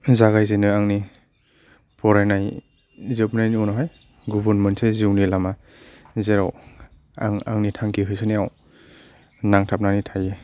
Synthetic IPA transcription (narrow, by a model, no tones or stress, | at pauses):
zaɡajzenɯaŋni | pʰɔɾajnaj | zɯp̚najniɔwnɔɦaj | ɡubɯnmenseziwnilama | zeɾa̰w | a̰ŋa̰ŋnitʰaŋkiɦɯsɯnijaw | naŋtʰap̚nanitʰaje